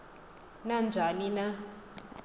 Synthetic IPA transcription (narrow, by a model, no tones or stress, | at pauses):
nand͡ʒʱanina